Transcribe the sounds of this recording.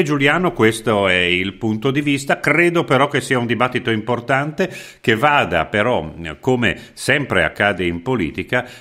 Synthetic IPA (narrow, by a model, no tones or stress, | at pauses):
d͡ʒuljaːnokwest̪oɛilpunt̪od̪ivist̪akɾeːd̪opeɾɔk̟ːesiːaund̪ibat̪ːit̪oimport̪ant̪e | k̟evaːd̪a̰peɾɔkːomḛ | sɛmpɾea̰kːaːd̪eimpolḭːt̪ika